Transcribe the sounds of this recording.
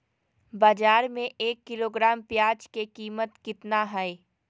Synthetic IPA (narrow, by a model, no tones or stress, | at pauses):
baːd͡ʒaːɾmẽʔeːkːɪloːɡɾaːmpjaːd͡ʒkekiːmət̪kɪt̪naɦɛe